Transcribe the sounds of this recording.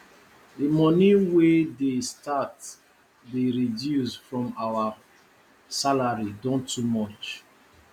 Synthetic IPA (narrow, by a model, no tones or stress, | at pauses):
dimɔniwedestat | deɹidjusfɹɔ̃mawa | salaɹidɔ̃ntʰumɔt͡ʃ